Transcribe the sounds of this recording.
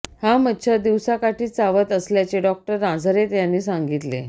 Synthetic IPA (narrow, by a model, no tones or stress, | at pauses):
hamətːt͡ɕʰad̪iʋsakaʈʰiːt͡saʋət̪əsljat͡ɕeɖɔk̚ʈəɾːãd͡zʱəɾet̪janːiːsãŋɡit̪lḛ